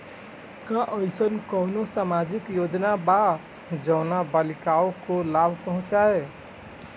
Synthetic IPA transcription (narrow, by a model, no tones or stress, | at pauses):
kaʔəɪsənkəʊnosamad͡ʒikjod͡ʒnaba | d͡ʒəʊnabalikaokolabʱpəɦũt͡ʃae